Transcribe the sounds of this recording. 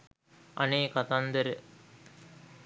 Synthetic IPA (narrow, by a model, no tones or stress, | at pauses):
ʔɐ̰neːkɐt̪ɐnd̪ɐɾɯ